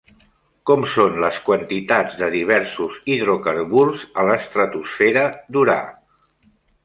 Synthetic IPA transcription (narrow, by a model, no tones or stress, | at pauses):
kɔmsonləskwənt̪it̪ad͡zd̪əðiβ̞ɛɾsuziðɾokəɾβuɾzələst̪ɾət̪usfeɾəd̪uɾa̰